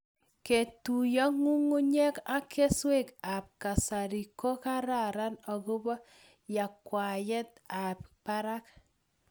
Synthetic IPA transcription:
ke˨tu˨jɔ˦ŋu˦ŋu˦ɲɛ˦ka˦kʰe˦swe˦˨ka˨p̚ka˨sa˨ɾi˨ko˦ka˦ɾa˨ɾa˦nɔ˨ku˦bɔ˦ | ja˨kwa˨jɛ˦t̚a˨p̚pa˦ɾa˦k

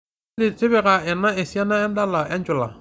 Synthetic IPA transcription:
li˨te˦bɛ˨ka˨ɛ˨na˦e˨si˦a˦na˦ɛ˦n˦da˦la˨ɛ˦n˦d͡ʒɔ˨la̰˨

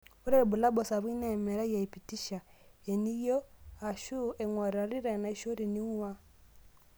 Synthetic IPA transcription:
u˦ɾe˨ɾi˨bu˨la˦bɔ˨sa˨βwi˦na˦˨mɛ˨ɾa˦ja˨i˨pi˨ti˦ʃa˨e˨ni˦jo˦a˨ʃu˦e˨ŋwa˨ɾa˨ɾi˦ɾe˨na˨i˦ʃo˦ɾi˨ni˦ŋ˦wa˦

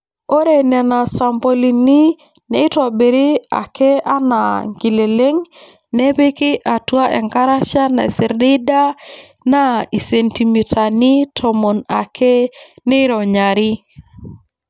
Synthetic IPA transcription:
o˦ɾe˨nɛ˨na˨sa˨mpo˨li˨ni˦ | ne˦i˦ta˨be˨ɾi˦a̰˨kʰɛ˦a˦na̰˨ŋɡi˨le˨le˦ŋ | nɛ˦be˦kɪ˦ʔa˨twa˦ʔɛ̰˨ŋka˦ɾa˦ʃa˦na˨si˨ɾdi˦da˦ | na˦i˨se˨nti˨mi˨tʰa˨ni˦tʰɔ˨mɔ˨na˨kʰe˦ | ne˦ɾɔ˨ɲa˨ɾi˦

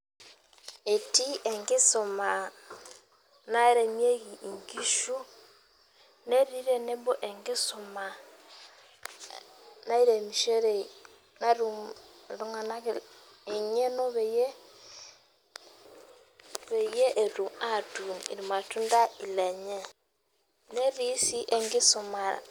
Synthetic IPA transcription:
e˨ti˦ʔe˨ŋɡe˦so˨ma˨ | na˦e˦ɾe˨mje˦ɣi˨i˨ŋɡi˦ʃu˦ | ne˦ɾi˦ɾe˦ne˦mbo˦ʔe˨ŋɡe˦so˨ma˨ | na˦i˦ɾe˨mi˨ʃe˦ɾe˨ | na˦ɾu˨ɾu˨ŋa˨na˦ | e˨ɲe˦no˦βe˨je˦ | βe˨je˦ʔe˨ɾu˨a˦˨tu˨nḭ˨ɾi˨ma˨tu˦nda˦i˨lɛ˨ɲɛ˦ | ne˦ɾi˦si˦ʔɛ˨ŋɡɪ˦su˨ma̰˨

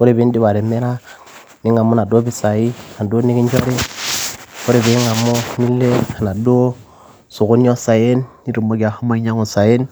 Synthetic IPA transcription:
ku˦ɾe˨βi˦n˦di˦βa˨ɾe˨me˦ɾa˦ | ni˦ŋa˨mu˦na˨do˦bi˦sa˨ji˦˨na˨do˦ni˦ki˦ɲd͡ʒo˦ɾe˦ | ko˦ɾe˨βe˨˦ŋa˨mːo˦ni˦le˦a˨na˨do˦ | su˨ɣo˦ni˦o˦sa˨je˦nːi˦ɾu˨mo˦ɡa˨ho˦ma˦ɲa˦ŋu˨sa˨je˦n

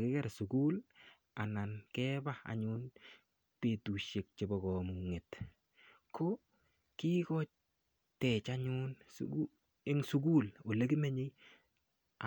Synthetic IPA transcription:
kɪ˦kɛɾsu˨kuː˦l | a˨na˨nkɛː˦ba˦a̰˨ɲʊ˦n | pe˨tu˨ʃe˨k̚t͡ʃe˨bɔ˨ɡɔ˨muŋe˨t | kʰo | ki˦kɔ˦t͡ʃ | tɛ˨t͡ʃaɲʊns | e˦ŋsu˦ɡu˦lo˨le˦ki˦me˦ɲe˦j | a

